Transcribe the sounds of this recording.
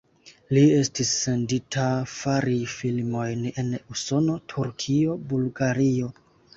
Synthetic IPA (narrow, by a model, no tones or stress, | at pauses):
lie̞stisːe̞nditʰafaɾifilmo̞jne̞nuso̞no̞tʰuɾkʰio̞bulɡaɾio̞